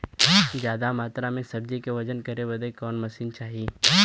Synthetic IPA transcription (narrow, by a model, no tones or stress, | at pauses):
zjaːd̪amaːt̪ɾamẽsɐb̚d͡ʒikeʋɐd͡ʒənkɐɾeʋɐd̪ekɔːnmɐsiːnt͡ʃaːɦiː